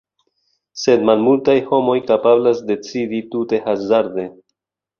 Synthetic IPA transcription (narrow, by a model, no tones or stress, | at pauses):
se̞dmalmultajho̞mo̞jkapablasde̞t͡siditute̞hazaɾde̞